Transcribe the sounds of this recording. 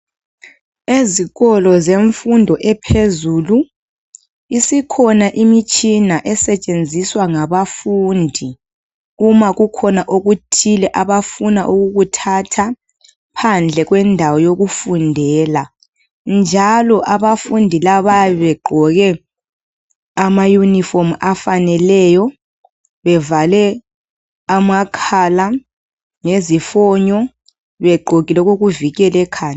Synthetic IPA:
eziɣɔlɔzeɱfundʱɔʔɛpʰezuːlu | isikʰɔnaʔimit͡ʃʼinaʔɛsɛt͡ʃʼend͡zʱiswaŋaβafundʱi | umaɣukʰɔnaʔoɣutʰilɛʔaβafunaʔuɣuɣutʰatʰa | pʰand͡ɮʱɛɣwɛndʱawɔjoɣufundʱɛːla | nd͡ʒʱalɔʔaβafundʱilaβaβɛɡ͡ǃʱɔɣɛ | amajunifɔmafanɛlɛjɔ | βɛvalɛ | amakʰala | ŋezifɔɲɔ | βɛɡ͡ǃʱoɣilɛɣoɣuviɣɛlɛkʰaːɲa

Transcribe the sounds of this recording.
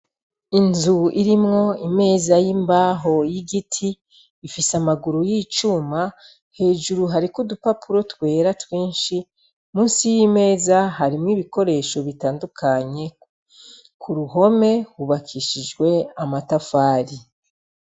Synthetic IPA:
inzuiɾimŋo̞ime̞ːzajimbaːɦo̞jiɡitʰiː | fisamaɡuɾujiːt͡ʃuːma | he̞ːʒuɾuɦaɾikudupapuɾo̞twe̞ːɾatwiːnʃi | muːnsijime̞ːzaɦaɾimŋiːβiko̞ɾe̞ːʃo̞βitaːndukʰaɲe̞ | kʰuɾuɦo̞me̞huβakʰiʃid͡ʒɡwe̞amatafaːɾi

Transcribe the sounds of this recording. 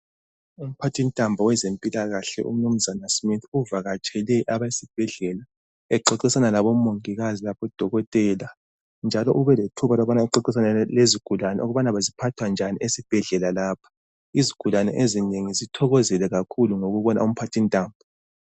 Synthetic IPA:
um̩pʰatʰintʼambʱɔwɛzempʼilaɣaɬɛʔṵm̩num̩zanasmitʰuvaɣat͡ʃʼɛlɛʔaβaisib̥ʱɛɮɛla | ɛǃɔǃisanalaβɔmoŋiɣazilaβɔd̥ʱɔɣɔtʼɛːla | nd͡ʒʱalɔʔuβɛletʰuβalɔβanaɛǃɔǃisanɛleziɡ̥ʱulanɛ̰ʔoɣuβanaβazipʰatʰwand͡ʒʱaniesib̥ʱɛɮɛlalaːpʰḁ | iziɡ̥ʱulanɛ̰ʔezineŋizitʰɔɣɔzɛlɛɣakʰuluŋoɣuβɔna̰um̩pʰatʰintʼaːmbʱɔ

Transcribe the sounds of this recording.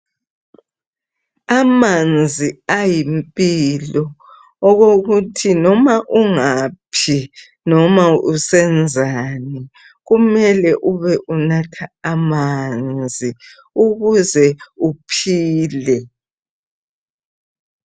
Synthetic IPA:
amand͡zd͡zʱiajimpʼilɔː | ɣoɣutʰinɔmaʔuŋapʰi | nɔmausɛnd͡zʱanɛ | ɣumɛlɛʔuβɛʔunatʰaːmand͡zʱi | uɣuzɛupʰiːlɛ

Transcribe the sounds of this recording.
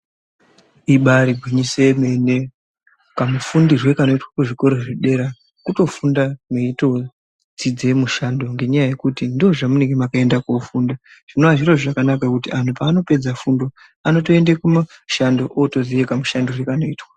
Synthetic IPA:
iɓaɾibʱwiɲiseme̞ne | kamufundirwe̞kano̞itwakuʐiko̞ɾoʐiɗe̞ɾa | kuto̞fundameito̞ | d͡zid͡ze̞muʃando̞ŋɡe̞ɲajaje̞kutindioʐamune̞ŋɡemakae̞ndakofuːndaʐ̥inoaʐiroʐakanakakutian̤upaːno̞pe̞d͡zafundo̞ | ano̞to̞e̞ndekumaʃando̞ʔotozijekamuʃandorwekano̞iːtwa

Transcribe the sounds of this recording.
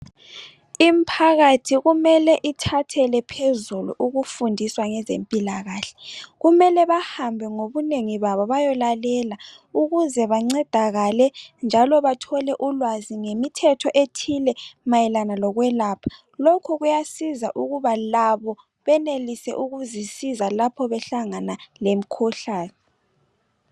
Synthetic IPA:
impʰaɣatʰiɣumɛlɛʔitʰatʰɛlɛpʰezulṵʔuɣufundʱiswaŋɛzḛmpʼilaɣaːɬɛ̥ɣumɛlɛβahambʱɛŋoβuneŋiβaβɔβajɔlalɛla | uɣuzɛβaŋ͡ǀɛd̥ʱaɣalɛnd͡ʒʱalɔβatʰɔlɛʔulwaziŋemitʰɛtʰɔʔetʰilɛmajɛlanalɔɣwɛlaːpʰḁ | lokʰuɣujasizaʔuɣuβalaβɔ | βɛnelisɛ̰ʔuɣuzisizalapʰɔβɛɬaŋanalem̩kʰɔɬaːnɛ

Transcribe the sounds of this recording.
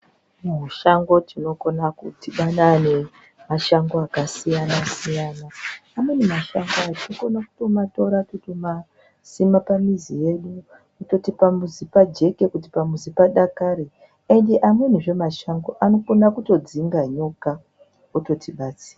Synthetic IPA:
muɦuʃaŋɡo̞tʰino̞konakutiɓanane̞ | maʃaŋɡo̞akasijanasijanaːmwe̞nimaʃaŋɡoat͡ʃinokonaku̥to̞mato̞ɾakutima | simapamizije̞ɗu | oto̞tipamuzipad͡ʒe̞ke̞kutipamuzipaɗakaɾe | endeʔamwe̞niʐe̞maʃaŋɡo̞ʔano̞konakuto̞d͡ziŋɡaɲoka | oto̞tʰiɓat͡si̥ːra

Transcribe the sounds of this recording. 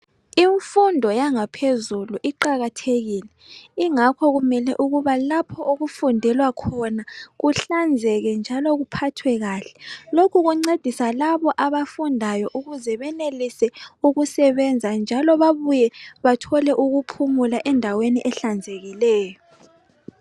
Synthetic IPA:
iɱfundʱɔjaŋapʰezuluʔiǃaɣatʰeɣiːlɛiŋakʰɔɣumɛlɛʔuɣuβalapʰɔʔoɣufundʱɛlwakʰɔnaɣuɬand͡zʱɛɣɛnd͡ʒʱalɔɣupʰatʰwɛɣaːɬɛ̥lokʰuɣuŋ͡ǀed̥ʱisalaβɔʔaβafundʱajɔʔuɣuzɛβɛnelisɛuɣusɛβɛnd͡zʱand͡ʒʱalɔβaβujɛβatʰɔlɛʔuɣupʰumulaʔɛndʱaweniʔɛɬand͡zʱeɣilɛːjɔ

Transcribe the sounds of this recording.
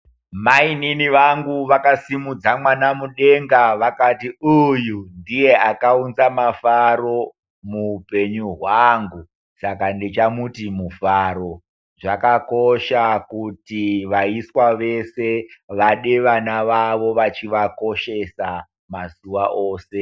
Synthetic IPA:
maininiʋaŋɡuʋakasimud͡zamwanamuɗe̞ŋɡaʋakatiujundije̞akaunzamafaɾo̞ | muːpe̞ɲuɦwaŋɡu | sakandet͡ʃamutimufaɾo̞ | ʐakako̞ʃakutiʋaiswaʋe̞se̞ʋaɗeʋanaʋaʋo̞ʋat͡ʃiʋako̞ʃe̞sa | mazuʋaʔoːse̞

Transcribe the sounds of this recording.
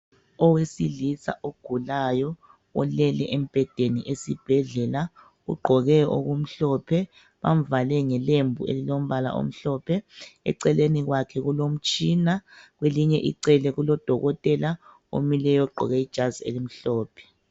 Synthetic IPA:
ɔwesilisa̰ʔoɡ̥ʱulajɔ | ɔlɛlɛʔem̩b̥ʱɛd̥ʱeniʔesib̥ʱɛɮɛla | ɣṵɡ͡ǃʱɔɣɛo̰ɣum̩ɬɔpʰɛ | βam̩valɛŋɛlembʱuḛlilom̩βala̰ʔo̰m̩ɬɔpʰɛɛ̰ǀɛleniɣwakʰɛɣulom̩t͡ʃʼiːnaɣweliɲɛʔḭǀɛlɛɣulɔd̥ʱɔɣɔtʼɛla | o̰milɛjɔɡ͡ǃʱɔ̰ɣɛid̥ʒ̥ʱazḛlim̩ɬɔːpʰɛ̥

